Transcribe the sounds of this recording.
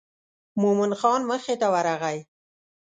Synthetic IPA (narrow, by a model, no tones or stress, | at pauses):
momɪnxɑnməxet̪awaɾaɣaj